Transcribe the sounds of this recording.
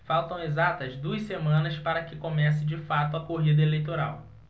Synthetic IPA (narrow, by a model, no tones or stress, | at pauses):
fawt̪ɐ̃w̃ezat̪ɐzd̪uɐssemɐ̃nɐspaɾɐkɪkomɛsɪd͡ʒɪfat̪ʊɐkoɦid̪ɐelejt̪oɾaw